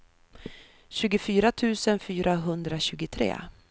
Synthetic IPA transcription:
ɕʉ̟ːɡʊfyːɾat̪ʰʉ̟ːsənfyːɾʔaɦɵnd̪ɾaɕʉ̟ːɡʊt̪ʰɾḛː

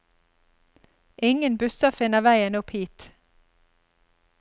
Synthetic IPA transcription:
ʔɪŋənbʉsəfɪnəʋæɪənʊphiːt̪

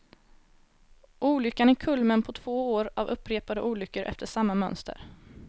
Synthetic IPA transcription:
ʔuːlʏkːanækʰɵlmənpʰɔt̪ʰv̥oːoːɾavɵpːɾeːpad̪əʔuːlʏkːəɾʔɛ̰ft̪əʂamːamœ̰nst̪ə̰ɾ

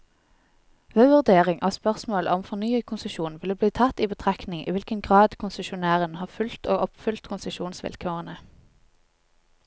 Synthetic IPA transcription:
ʋəʋʉʁd̪eːʁɪŋʔoːspœʁsmoːlə̰ɔmfɔʁnyːəkʰʊnsəʃuːnʋɪləbliːt̪ʰɑt̪iːbət̪ʰʁæknɪŋʔḭːʋɪlkənɡʁɑːd̪kʰʊnsəʃʊnæːʁənhɑːʁfʉlt̪oːʔɔpfʏlt̪kʰʊnsəʃuːnsʋɪ̰lkʰøːʁənə

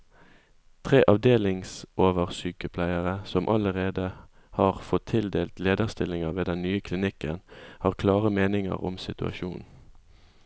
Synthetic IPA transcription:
t̪ʰʁeːʔɑʋd̪eːlɪŋsʔoːʋəʁsyːkəpʰlæɪəʁəsɔmʔɑləʁeːd̪ə | hɑːʁfɔt̪ʰːɪld̪eːlt̪leːd̪əʁst̪ɪlɪŋəʋeːd̪ɛnnyːəkʰlɪnɪkə̰nhɑːʁkʰlɑːʁəmeːnɪŋə̰ʁɔ̰msɪt̪ʉɑ̰ʃuːn

